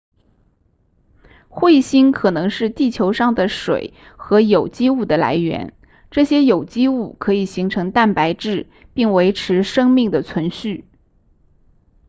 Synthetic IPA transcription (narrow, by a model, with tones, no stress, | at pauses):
xwe˥˩ɪɕi˥nkʰɤ˨˩nɤ˧˥ŋʂɻ̩˥˧t̪i˥˩t͡ɕʰjo˧˥ʊʂɑ˥˩ŋd̪ə˩ʂwḛ˨˩˦ɪ | xɤ˧˥jo˨˩ʊt͡ɕi˥u˥˩d̪ə˩la̰˧˥ɪɥɛ̰˧˥n | ʈ͡ʂɤ˥˩ɕjɛ˥jo˨˩ʊt͡ɕi˥u˥˩kʰɤ˧˥i˨˩ɕi˧˥ŋʈ͡ʂʰɤ˧˥ŋt̪a˥˩npa˧˥ɪʈ͡ʂɻ̩˥˧ | pi˥˩ŋwe˧˥ɪʈ͡ʂʰɻ̩˧˥ʂɤ˥ŋmi˥˩ŋd̪ə˩t͡sʰwə˧˥nɕy˥˩